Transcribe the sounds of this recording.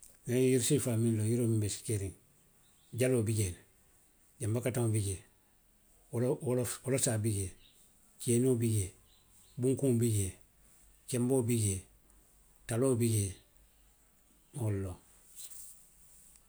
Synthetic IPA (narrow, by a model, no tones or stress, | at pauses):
ŋajiɾsifaminlojiɾombeskeɾiŋ | ɟaloːbiɟeːn | ɟambakataŋbiɟeː | llolosaːbiɟeː | t͡ʃenobiɟeː | buŋkũŋbiɟe | t͡ʃemboːbiɟe | taloːbiɟeː | molːo